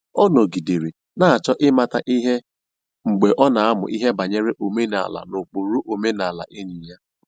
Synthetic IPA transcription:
ɔ˦no˨ɡi˨de˨ɾe˨ | na˦a˨t͡ʃɔ˦ʔɪ˦ma˨ta˨˦ʔi˦ɦe˦ | ŋ͡m̩˨ɡ͡be˨ʔɔ˦na˨a˦mʊ̰˨ʔi˦ɦe˦ba˨ɲe˦ɾe˦ʔo˨me˦na̰˨a̰˨la̰˨no˨k͡po˨ɾu˦ʔo˨me˦na˨a˨la̰˨ʔe˦ɲi˨ja˦

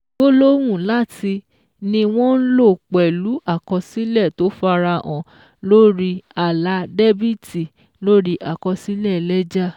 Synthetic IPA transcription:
bo˦lo˦w̃ũ˦˨la˦˨ti˧ | nĩ˧w̃ɔ̃˦n̩˦lo˦˨k͡pɛ˨lu˨˦a˦˨kɔ̃˧si˦lɛ˦˨to˨˦fa˧ɾa˧ʔɔ̃˨ | lo˦ɾi˦a˨la˨˧de˦bi˦˨ti˨ | lo˦ɾi˦ʔa˨kɔ̃˧si˦lɛ˦˨lɛ˦d͡ʒa˦˨

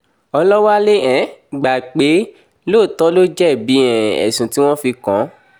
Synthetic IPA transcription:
ɔ˧lɔ˦wa˦le˦ɛ̃˨ɡ͡ba˨ɡ͡be˨˦ | lo˦˨tɔ˦lo˦d͡ʒɛ˦˨bi˨˦ɛ̃˨ɛ̰˨sũ˨ti˦w̃ɔ̃˦fi˧kɔ̃˨˦

